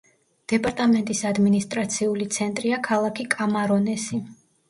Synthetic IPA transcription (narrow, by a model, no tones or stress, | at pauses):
d̪̥ɛpʼaɾt̪ʼamɛnt̪ʼisad̪minist̪ʼɾat̪sʰiulit̪sʰɛnt̪ʼɾiakʰalˠakʰikʼamaɾɔnɛsi